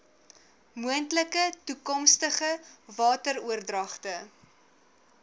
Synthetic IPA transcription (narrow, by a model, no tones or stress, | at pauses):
muəntləkətukɔmstəχəvɑːtəɾuərdrɐχtə